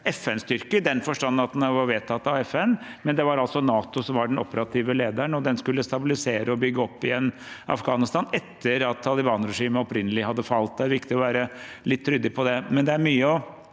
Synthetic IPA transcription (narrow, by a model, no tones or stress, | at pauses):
ɛfɛnst̪ʏɾkəd̪ɛnfɔʂʈɑnːnɑt̪̚d̪ɛnɑʋɑɾʋeːt̪ʰɑt̪ːɑʋɛfɛnmɛnd̪ɛʋɑɾɑlsɔnɑːt̪ʊsɔmʋɑɖɛnɔ̰pːəɾɑt̪ʰiːʋəleːd̪æəɳɔd̪ɛnskʉlːəst̪ɑbɪlɪseːɾʔəɔbʏɡːəɔpːɪjɛnː | ʔɑ̰fɡɑːnɪst̪ɑːnɛt̪ːəɾɑt̪ʰːɑlɪbɑːnɾɛʂiːməɔpɾɪnːəlɪhɑd̪ːəfɑlt̪̚d̪ɛæɾʋɪkt̪ɪɔʋæːɾə | lɪt̪ʰːɾʏd̪ːəpʰɔd̪ɛmɛnd̪ɛæɾmyːəɔ